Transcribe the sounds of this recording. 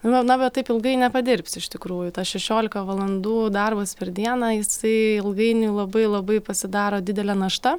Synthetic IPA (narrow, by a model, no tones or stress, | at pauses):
nɐbʲɛtt̪ɐɪpɪlˠɡɐɪnʲɛpɐd̪ʲɪɾʲpʲsʲɪʃʲt̪ʲɪkɾuːjʊt̪ɑʃʲɛʃʲoːlʲɪkɐʋɐlˠɐnd̪uːd̪ɐrbɐspʲɛɾd̪ʲiɛnɑːjɪsɐɪɪlˠɡɐɪnʲuːlˠɐbɐɪlˠɐbɐɪpɐsʲɪd̪ɑːɾoːd̪ʲɪd̪ʲɛlʲɛnɐʃt̪ɐ